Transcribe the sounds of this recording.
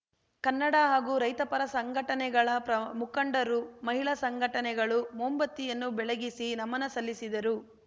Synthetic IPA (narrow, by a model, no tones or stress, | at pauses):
kɐnːɐɽɐɦaːɡuːɾɐjt̪ɐpɐɾɐsɐŋɡʱɐʈɐnɛɡɐɭɐpɾɐmukɐɳɖɐɾumɐɦiɭɐsɐŋɡʱɐʈɐnɛɡɐɭumoːmbɐt̪ːijɐnːubɛɭɐɡisinɐmɐnɐsɐlːisid̪ɐɾu